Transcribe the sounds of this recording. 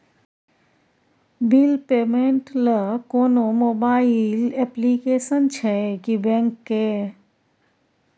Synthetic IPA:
bɪlpeːmẽɳʈləkoːnomoːbaːɪlɛplikeːsənt͡ʃʰɛkibɛ̃ːŋkːe

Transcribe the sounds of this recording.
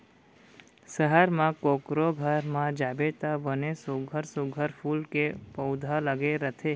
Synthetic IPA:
səɦəɾmãkokɾoɡʱəɾmãd͡ʒabet̪abənesuɡʱəɾsuɡʱəɾpʰulkepəwd̪ʱaləɡeɾət̪ʰe

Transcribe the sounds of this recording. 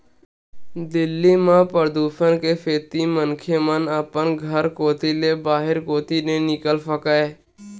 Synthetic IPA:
d̪ɪlːiːmãːpəɾd̪uːʃənkeːfʰeːt̪iːmənkʰeːmənəpənɡʱəɾkoːt̪iːleːbaːɦɪɾkoːt̪iːneːnɪkəlsəkaeː

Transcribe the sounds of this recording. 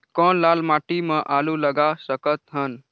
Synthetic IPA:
kɔnlalmaʈimẽʔaluləɡasəkət̪ɦən

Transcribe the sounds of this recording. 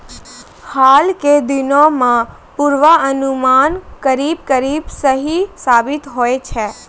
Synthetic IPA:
haːlked̪ɪnõmã | puɾʋaənumaːnkəɾiːb̚kəɾiːbsəɦisaːbɪt̪ɦoet͡ʃʰɛː

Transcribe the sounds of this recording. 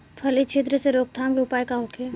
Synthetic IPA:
pʰɐlit͡ʃʰeːt̪̬ɾəseɾoːk̚t̪ʰaːmkiʊpaːjkaɦoːkʰe

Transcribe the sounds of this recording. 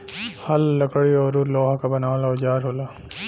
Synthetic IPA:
hɐlːɐkɽiɔːɾuɾloːɦakabɐnaːʋlaʊd͡ʒaːɾɦoːlaː

